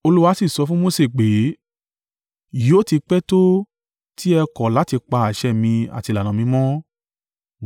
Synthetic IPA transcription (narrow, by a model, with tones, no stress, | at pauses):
o˧lu˦wa˧˦si˦˨sɔ˧fũ˦mo˦se˨k͡pe˨˦ | jo˦ti˧k͡pɛ˦to˦ | ti˦ɛ˧kɔ˨la˨˦ti˧k͡pa˧a˨ʃɛ˦˨mĩ˧a̰˨ti˧la˨nã˨mĩ˧˦mɔ̃˦